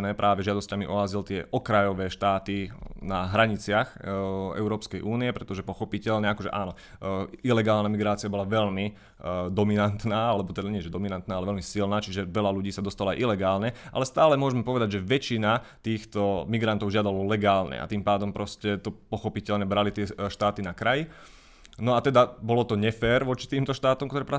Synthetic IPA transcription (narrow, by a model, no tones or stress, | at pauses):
nɛːpɾʔaːʋɛʒɪad̪ɔscamiʔɔazilt̪ɪɛʔɔkɾajɔʋɛːʃt̪aːt̪inaɦɾaɲit͡sɪaxɛ̰ʊɾɔːpskɛjʔuːniɛpɾɛt̪ɔʒɛpɔxɔpicɛʎɲɛakɔʒɛ̰ʔa̰ːnɔ | ilɛɡaːlnamiɡɾaːt͡siabɔlaʋɛʎmi | d̪ɔminant̪naːalɛbɔt̪ɛd̪aɲɪɛʒɛd̪ɔminant̪naːalɛʋɛlmisilnaːt͡ʃiʒɛʋɛʎaluɟiːsad̪ɔst̪alɔajʔilɛɡaːlɲɛʔa̰lɛst̪aːlɛmʊɔʒɛmɛpɔʋɛd̪aɟʒɛʋɛt͡ʃinat̪iːxt̪ɔmiɡɾant̪ɔʊʒɪad̪alɔlɛɡaːlɲɛ̰ʔa̰t̪impaːd̪ɔmpɾɔscɛt̪ɔpɔxɔpicɛlɲɛbɾalit̪ɪɛʃt̪aːt̪inakɾaji | nɔat̪ɛd̪abɔlɔt̪ɔɲɛfɛːɾʋɔt͡ʃi̥t̪iːmt̪ɔʃt̪aːt̪ɔmkt̪ɔɾɛːpɾa